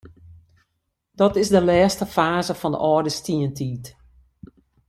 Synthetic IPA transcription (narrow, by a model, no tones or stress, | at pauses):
d̥ɔtɪzdəlɛːstəfaːzəfɔndə̰ʔɔːdəstiəntʰiːt